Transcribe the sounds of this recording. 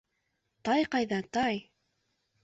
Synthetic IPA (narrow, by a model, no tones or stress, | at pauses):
t̪ɑjqɑjðɑt̪ɑj